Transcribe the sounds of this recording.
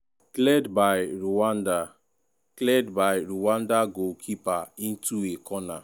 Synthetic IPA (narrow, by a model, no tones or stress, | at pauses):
klɛdbaɪɾuwanda | klɛdbaɪɾuwãndaɡokʰipaĩn̩tuekʰɔna̰